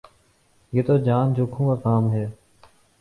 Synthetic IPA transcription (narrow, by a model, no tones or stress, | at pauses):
jeːt̪oːd͡ʒaːnd͡ʒokʰũːkaːkaːmɦeː